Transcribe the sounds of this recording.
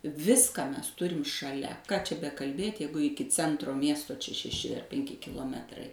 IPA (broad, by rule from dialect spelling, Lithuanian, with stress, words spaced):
ˈʋʲɪskɑː ˈmʲɛs ˈtʊrʲɪm ʃɐˈlʲɛ kɑː t͡ʃʲɛ bʲɛkɐlʲˈbʲeːtʲ ˈjɛɪɡʊ ˈɪkʲɪ ˈt͡sʲɛntroː ˈmʲiɛstoː t͡ʃʲɛ ʃʲɛˈʃʲɪ pʲɛŋʲˈkʲɪ kʲɪlˠoːˈmʲæːtrɐɪ